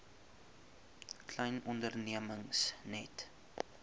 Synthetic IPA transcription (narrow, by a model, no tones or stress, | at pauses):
klɛjnɔndərniəməŋsnɛt